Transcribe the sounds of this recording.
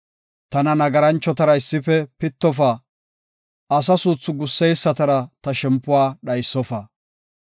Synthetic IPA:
t̪ɐnɐnɐɡɐɾɐnt͡ʃːɔt̪ɐɾɐɪsːɪfɛpɪt̪ːɔfa | ɐs̬ɐsuːt͡sːʊɡʊsːɛjsːɐt̪ɐɾɐt̪ɐʃɛmpːʊwaːɗɐjsːɔfɐ

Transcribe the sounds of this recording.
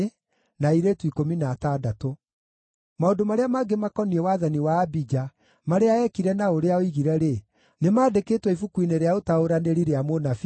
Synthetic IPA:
naiɾetwikominatadato | maondomaɾeamaɡemakɔniɛwaðaniwaːbid͡ʒa | maɾeaɛkiɾɛnaoɾeaoiɣiɾɛɾe | nemaːdekeːtwɛifukwineɾeaotaoɾaneɾiɾeamonaf

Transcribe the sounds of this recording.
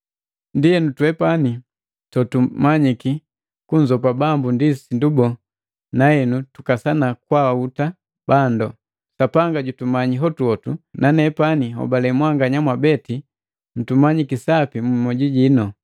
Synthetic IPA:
ndiɛnutuɛpani | tɔtumaɲiki | kuɲzɔp̬abambundisindubɔ | nahɛnutukasanakwawauta | bandɔ | sapaŋɡaɟutumaɲiɦɔtuɔtunʔanɛpaniɦɔ̰balɛmwaŋɡaɲamwabɛti | n̩tumaɲikisapimummɔɟiɟinɔ

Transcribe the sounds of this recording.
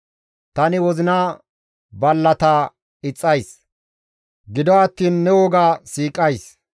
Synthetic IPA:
t̪ɐnɪwɔzɪnaː | bɐlːɐt̪aː | ɪt͡sʼːɐjs | ɡɪd̪ɔɐt̪ːiːnːɛwɔɡaːsiːkʼːɐjs

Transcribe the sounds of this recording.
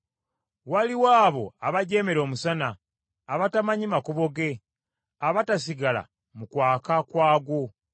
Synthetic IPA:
waliwaːβo̞aβaɟe̞me̞ɾo̞ːmusanaː | βatamaɲimakuβo̞ɡe̞ | aβatas̬iɡala̰ | mukwaːkakwaːɡwo

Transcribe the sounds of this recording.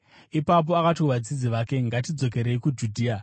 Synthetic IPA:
ipap̬o̞akatuʋad͡zid͡ziʋake̞ŋɡat̬id͡zo̞k̬e̞ɾe̞ikud͡ʒudʱiːa

